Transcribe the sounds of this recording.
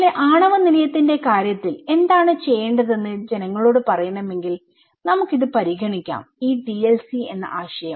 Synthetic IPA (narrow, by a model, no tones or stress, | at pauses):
leʔaːɳɐʋɐnilɐjɐt̪ːinde̞kaːɾjɐt̪ːile̞nd̪aːɳɨt͡ɕe̞jːeːɳɖɐðe̞nːɨd͡ʑe̞nɐŋːɐɭo̞ːɽɨpɐrɐjɐɳɐme̞ŋɡil | nɐmukːiðɨpɐɾiɡʱɐɳikʲːa̰ːmiːbilelsie̞nːɐ̰ʔaːɕɐjɐm